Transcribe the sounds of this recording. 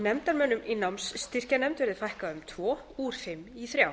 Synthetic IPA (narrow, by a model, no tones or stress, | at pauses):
nɛmt̪aɾmœːnʏminawmsːt̪ɪr̥canɛmt̪vʏɾɪðfajhkaʏmt̪ʰvɔː | uːɾ̥fɪmːiθɾjaːw